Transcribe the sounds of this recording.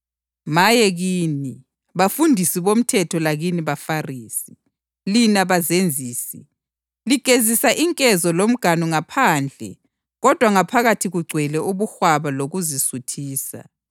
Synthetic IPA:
majɛɣiːni | βafundʱisiβom̩tʰɛtʰɔlaɣiniβafariːsi̥ | linaβazend͡zʱiːsi | liɡ̥ʱezisaʔiŋkʼɛzɔlom̩ɡ̥ʱanɔŋapʰaːnd͡ɮʱɛ̰ | ɣɔd̥ʱwaŋapʰaɣatʰiɣuɡ͡ǀʱwɛlɛʔuβuxwaβaloɣuzisutʰiːsa̰

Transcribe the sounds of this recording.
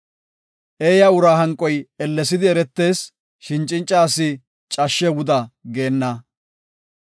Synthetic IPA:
ʔeːjɐʊɾaːɦɐŋkʼːɔjɛlːɛsɪd̪ɪɛɾɛt̪ːe̞ːs | ʃɪnt͡ʃʼːɪnt͡ʃʼːaːsɪ | t͡ʃʼɐʃːɛwʊd̪ɐɡe̞ːnːɐ

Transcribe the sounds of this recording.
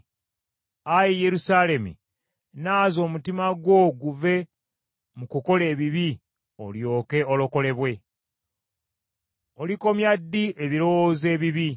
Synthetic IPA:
ajije̞ɾusale̞mṵ | naːzo̞ːmutimaɡwo̞ɡuve̞ | mukuko̞le̞ːβiβi | o̞̰ljo̞ːke̞olo̞ko̞le̞βwe̞ | o̞liko̞mjadːiʔeβiɾo̞woːze̞ːβiβi

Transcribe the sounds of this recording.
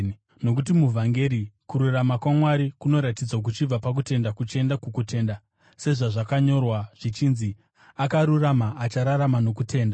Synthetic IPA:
no̞k̬ut̬imuvʱaŋɡe̞ɾikuɾuramakwamwaɾikuno̞ɾatid͡zwak̬ut͡ʃib͡vapak̬ute̞ndakut͡ʃe̞ndakukute̞ːnda | se̞ʐaʐakaɲo̞rwaʐ̥it͡ʃinzi | akaɾuramaʔːt͡ʃaɾaɾamano̞kutʰe̞ːnda

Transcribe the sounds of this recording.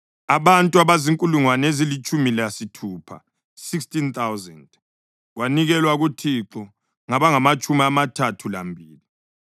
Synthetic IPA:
aβantʼuaβaziŋkʼuluŋwanezilit͡ʃʰʼumilasitʰuːpʰa̰ | sikstʼint̪ʰawzɛnd | ɣwaniɣɛlwaɣutʰiǁɔ | ŋaβaŋamat͡ʃʼumiamatʰatʰula̰mbʱiːli

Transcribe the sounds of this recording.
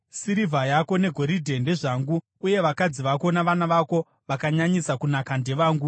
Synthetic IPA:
siɾivʱajako̞ne̞ɡʱo̞ɾidʱe̞nde̞ʐaːŋɡuː | je̞ʋakad͡ziʋako̞naʋanaʋako̞ | ʋakaɲaɲisakunakande̞ʋaːŋɡu

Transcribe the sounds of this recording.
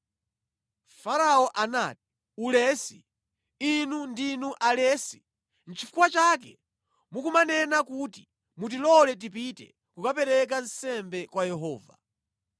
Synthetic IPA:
faɾaɔʔana̰ti̥ | ulɛsi | inundinuʔalɛːsi̥ | n̩t͡ʃifukwat͡ʃakɛ | mukumanɛnakuti | mut̬ilɔlɛt̬ipitɛ̰ | kukapɛɾɛk̬ansɛmbɛkwajɛɦɔ̰ːva̰

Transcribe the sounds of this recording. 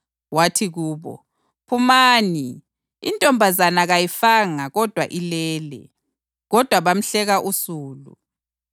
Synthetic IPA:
watʰiɣuːβɔ̰ | pʰumaːni | ḭntʼɔmbʱazanaɣajifaŋaɣɔd̥ʱwaʔilɛːlɛ̰ | ɣɔd̥ʱwaβam̩ɬɛɣaʔusuːlṵ

